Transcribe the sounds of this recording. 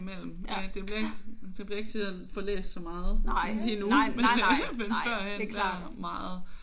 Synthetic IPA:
mel̰m̩d̥e̝b̥liɐeɡ̥d̥eb̥liɐe̝ɡ̥̚t͡sʰiðˠənfɒ̽lḛːsd̥sɒ̽mɑ̈ːð̩ˠlinumenʋenfɶɐ̰hend̥æɐ̰mɑ̈ːð̩ˠ

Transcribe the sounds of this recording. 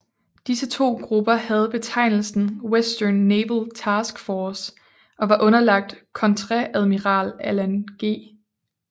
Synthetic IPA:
d̥isət͡sʰo̝̰ːɡ̥ʁub̥ɐhæð̞̩ˠb̥e̝t͡sʰɑ̈ɪ̰nl̩sn̩wesd̥ɐnːeːblt͡sʰɑ̈ːsɡ̥fɒːs | ʔɒ̽ʋɑ̈ʔɔ̽nɐlɑ̈ɡ̥̚d̥kʰɒ̽nt͡sʰʁɛʔæð̞ˠmiʁɑ̰̈ːlælænɡ̥e̝̰ː

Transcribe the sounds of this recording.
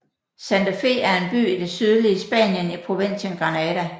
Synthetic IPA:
sænd̥æfe̝̰æɐe̝nb̥y̰ːid̥e̝syð̞ˠliəsb̥ɛ̰ːnjənipʰʁo̝ʋe̝n̰ɕənɡ̥ʁɑ̈nɛdæ

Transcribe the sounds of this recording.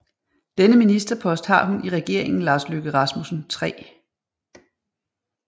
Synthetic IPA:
d̥enəminisd̥ɐpʰɒ̽sd̥hɑ̈ɦunʔiʁɛɡ̥e̝ɐ̰eŋn̩lɑ̈ːsløɡ̥əʁɑ̈smusn̩t͡sʰʁɛ̰ː

